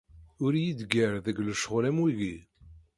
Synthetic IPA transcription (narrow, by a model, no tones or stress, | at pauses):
ʊɾjid̪ɡəɾðəɡləʃəʁlæmwiɣi